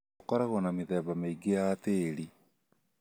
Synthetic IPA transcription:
kɔɾaɣonameðɛβameiɡejateɾi

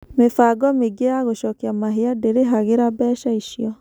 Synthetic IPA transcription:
mefaɡɔmeɡejaɣoʃɔːkiamaɦeadeɾeɦaɣeɾabɛːʃaiʃjɔ

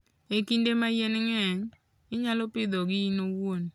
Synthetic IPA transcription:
ekindemajenɪŋɛɲ | ɪɲalɔpɪd̪ɔɡɪinowon

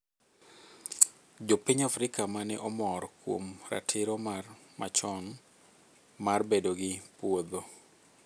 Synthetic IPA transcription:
d͡ʒopiɲafɾɪkamanɛʔɔmɔɾkwo̰mra̰tʰɪɾɔmar | mat͡ʃɔŋ | marbedoɡɪpwod̪o

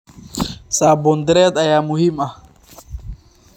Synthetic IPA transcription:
sabond̪ɾet̪ajamuhima

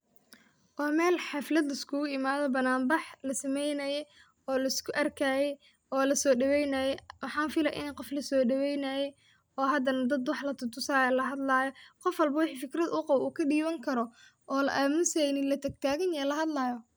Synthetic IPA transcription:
ʔɔːmɛːlħɑflɐd̪lɐɪskʰʊʊɪmaːðɔbɐnaːmbɑħlɐsɐmɛjnɐjɛj | ɔːlɐɪskʰʊʔɐrkʰaːjɛj | ɔːlɐsɔːɖɐwɛjnɐjɛwɑħɑːnfɪlɐ̰ʔɪ̰nɛqɔflɐsɔːɖɐwɛjnajɛj | ɔːɦɐd̪ɐnɐd̪ɐd̪wɑħlɐt̪ʰʊt̪ʰʊsaːjɐlɐɦɐd̪laːjɔqɔfwɐlbɐwɪħiːfɪkɾɐd̪ʊqɑwuːkʰɐɖiːβɐŋkʰɐɾɔ | ʔɔːlɐ̰ʔaːmɪnsɛnɪlɐt̪ʰɐɡ̚t̪ʰaːɣɐnjɛlɐɦɐd̪laːjɔ

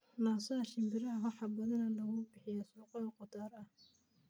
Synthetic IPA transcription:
naːsɐɐʃɪmbɪɾɐɦɐwɑħɑbɐðɐnɐlɐɣʊbɪħɪjɐsuːqɔqɔd̪aːɾɐh

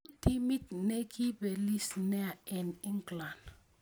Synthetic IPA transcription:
timitnekibelisneaɛniŋɡlan

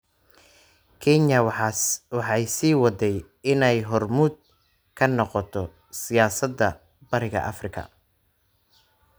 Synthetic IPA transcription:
kʰɛnɐwɑswɑħɑjsiːwɑd̪ɛj | ɪnɛjɦɔrmʊd̪̚ | kʰɐnɔqɔt̪ʰɔ | sɪjaːsɐd̪ːɐ | bɐɾɪɣɐ̰ʔɐ̰frɪkʰɐ̰

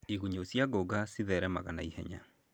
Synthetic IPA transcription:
iɣuɲosjaɡoɡasiðɛɾɛma̰ɣanaihɛ̰ɲa̰

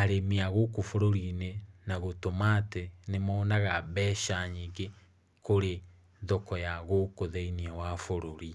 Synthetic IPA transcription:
aɾemiaɣokofoɾoɾinenaɣotomatenemɔːnaɣaβɛʃaɲiɡe | koɾe | ðɔkɔjaɣokoðɛiniawafoɾoɾi

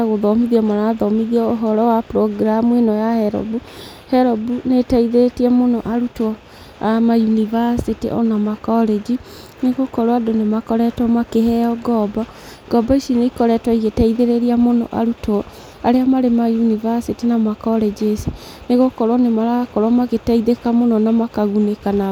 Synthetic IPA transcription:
aɣoðɔmiðiɔmaɾaðɔmiðiɔoɦɔɾɔwapɾɔɡɾamuenɔjahɛɾɔ̰bu | hɛɾɔbunetaiðetiɛmonɔʔaɾutɔ | amajunivasitiʔɔ̰namakɔɾed͡ʒi | neɣokɔɾwadonemakɔɾɛtwɔmakehɛjɔɡɔbɔ | ɡ̥ɔbɔiʃineikɔɾɛtwaiɣetaiðeɾeɾiamonɔ̰ʔa̰ɾutɔ | a̰ɾeamaɾemajunivasitinamakɔɾed͡ʒesi | neɣokɔɾwɔnemaɾakɔɾwamaɣetaiðekamonɔnamakaɣunekana

